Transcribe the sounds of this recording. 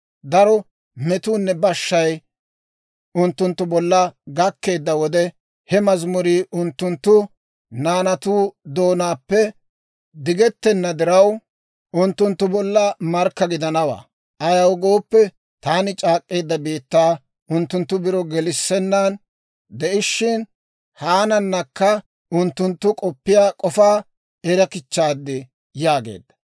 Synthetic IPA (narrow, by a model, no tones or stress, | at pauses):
d̪ɐɾɔ | mɛt̪uːnːɛbɐʃːɐj | ʊnt̪ːʊnt̪ːʊbɔlːɐɡɐkːe̞ːd̪ːɐwɔd̪ɛ | hɛmɐzmʊɾiːʔʊnt̪ːʊnt̪ːʊ | naːnɐt̪uːd̪o̞ːnaːpːɛ | d̪ɪɡɛt̪ːɛnːɐd̪ɪɾɐw | ʔʊnt̪ːʊnt̪ːʊbɔlːɐmɐɾkːɐɡɪd̪ɐnɐwa̰ː | ʔɐjɐwɡo̞ːpːɛ | t̪aːnɪt͡ʃʼaːkʼːe̞ːd̪ːɐbiːt̪ːaː | ʊnt̪ːʊnt̪ːʊbɪɾɔɡɛlɪsːɛnːan | d̪ɛʔɪʃːɪn | haːnɐnːɐkːɐ | ʊnt̪ːʊnt̪ːʊkʼɔpːɪjaːkʼɔfaː | ɛɾɐkɪt͡ʃːaːd̪ːɪ | jaːɡḛːd̪ːɐ̥